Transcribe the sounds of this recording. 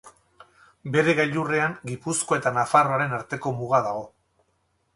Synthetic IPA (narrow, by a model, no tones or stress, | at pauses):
be̞ɾe̞ɣaʎureaŋɡipusko̞e̞t̪anafaro̞aɾe̞naɾt̪e̞ko̞muɣ̞aðaɣo̞